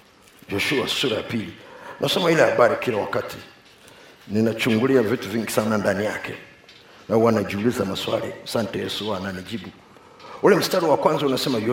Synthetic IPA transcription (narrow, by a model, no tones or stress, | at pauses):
d͡ʒɔʃua̰suɾaja̰pilinʔasɔmailɛhaɓaɾikilawakati | ninat͡ʃuŋɡuliavituviŋɡisanandanijakʰɛ | nauwanad͡ʒiulizamaswa̰lḭasantɛjɛsuwananid͡ʒiɓu | ulɛm̩staliwakwanzaunasɛmaj